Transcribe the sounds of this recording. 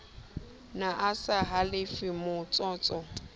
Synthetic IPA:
naʔasaɦalɪfɪmʊt͡sʼɔːt͡sʼɔ

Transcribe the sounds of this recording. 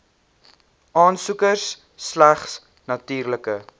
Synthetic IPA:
ʔɑːnsukərsː | læχs | nɐtyːrləkə

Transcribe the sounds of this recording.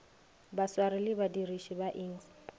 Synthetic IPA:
baswarɪlɪbadiriʃibaʔɪːŋ̩s

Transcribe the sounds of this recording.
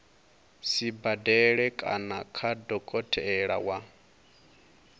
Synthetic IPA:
sibadɛɺɛkʼa̰nakʰadɔkʼɔtʰɛɛɺa̰wa

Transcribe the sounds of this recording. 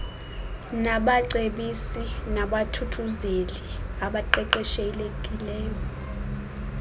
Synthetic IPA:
naɓaǀeɓisinaɓatʰutʰuzeliaɓaǃɛǃɛʃelekʼilɛːjɔ

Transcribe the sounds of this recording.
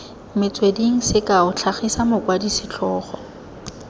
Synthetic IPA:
mɪt͡sʼwediŋ̩sɪkaʊt͡ɬʰaχisamʊkwadisɪt͡ɬʰɔːχɔ

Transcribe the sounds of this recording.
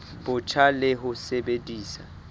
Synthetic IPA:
b̥ʊt͡ʃʰalɪɦʊsebediːsa

